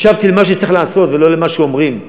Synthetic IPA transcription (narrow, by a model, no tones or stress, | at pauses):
ʃavt̪ilemaʃ̬et͡sɐiχlaːso̞t̪velo̞lemaʃeomʁim